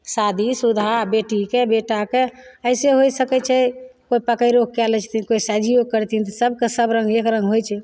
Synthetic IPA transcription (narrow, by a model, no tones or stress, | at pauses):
sad̪ʱisud̪ʱabeʈikebeʈakeəjseɦojsəkɛt͡ʃʰɛkoipəkəjɾok̚kɛlɛt͡ʃʰt̪inkoisɛd͡ʒʱiokəɾt̪int̪səbkesəbɾə̃ŋɡekɾə̃ŋɡɦojt͡ʃʰɛ